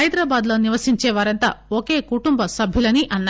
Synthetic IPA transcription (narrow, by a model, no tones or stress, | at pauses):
ɐjd̪ɾaːbaːd̪lo̞ːniʋɐsiɲt͡ʃɛːʋaːɾɐnt̪a̰ːoke̞ːkuʈumbɐsɐbʱjulɐniʔɐnːa